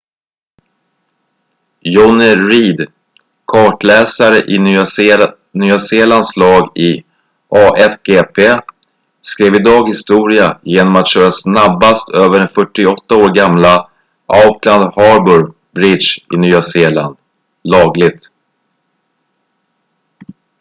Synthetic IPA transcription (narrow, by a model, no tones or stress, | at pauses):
jɔnɪɾiːd̪ | kʰɑːʈlɛːsaɾəʔɪy | nyːaseːlanslɑːɡɪ | ʔɑːʔɛt̪ɡeːpʰeː | skɾeːvɪd̪ɑːɡhɪst̪uːɾɪajeːnɔmat̪ɕœːɾasnabːast̪ʰøːvəɖɛnfœʈːɪɔt̪ːaoːɾɡamla | ʔaʊkʰland̪hɑɾbɵɾ | bɾɪd̪ʃɪnyːaseːla̰nd̪ | lɑːɡlɪɡ̚t̪